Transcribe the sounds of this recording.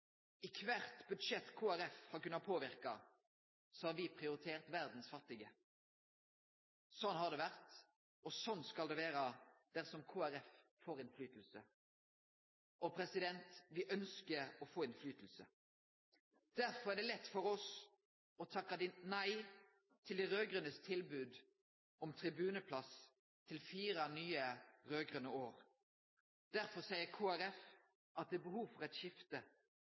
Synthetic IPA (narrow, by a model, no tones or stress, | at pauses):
ɪkʰʋæɾt̪bʉd̪ʂɛt̪ːkʰoːæɾɛfhɑɾkʉnːɑt̪̚pʰoːʋɪʁkɑ | sɔhɑːɾʋɪpʰʁɪʊɾɪt̪ʰeːʁt̪ʋæʁd̪n̩sfɑt̪ːɪɡə | sɔnːhɑʁd̪ɛʋæʁt̪ | ɔsɔnːskɑld̪ɛʋeːɾəd̪̥æʁsɔmkʰoːæɾɛffoːɾɪnflyːt̪lsə | ʔɔpʰɾɛsɪd̪ɛnt̪ʋɪʔœnskəɾɔfoːɪnflyːt̪l̩sə | d̪̥æʁfɔʁæːd̪ɛːlɛt̪ːfɔʁɔs | ɔt̪ʰɑkːɑd̪ɪnæɪ | t̪ʰɪld̪iʁøːɡʁʉnəst̪ʰɪlbʉːd̪ | ɔmt̪ʰʁɪbʉːnəpʰlɑs | t̪ʰɪlfiːɾɑnyːəʁøːɡʁʉnəoːʁ | d̪̥æʁfɔʁsæɪəɾkʰoːæɾɛf | ʔɑt̪̚d̪ɛːbəhuːʋfɔʁɛt̪ʃɪft̪ə